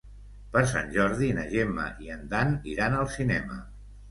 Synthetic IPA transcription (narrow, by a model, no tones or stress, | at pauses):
pəɾs̬a̰nʲʒɔɾðinəʒemə̰ʔiənd̪aniɾanəlˠsinɛmə